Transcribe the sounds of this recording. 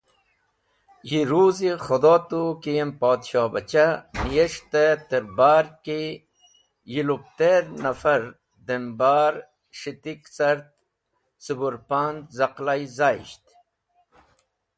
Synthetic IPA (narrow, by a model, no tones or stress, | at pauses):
jiɾuːziχod̪oːt̪ukijempaːd̪ɕaːbɐt͡ɕamijeʂt̪et̪eɾbaːɾki | jilup̚t̪eɾnɐfɐɾ | d̪embaːɾ | ʂit̪iksɐɾt̪̚ | subuɾpaːnd̪zɐqlajzaːḭɕt̪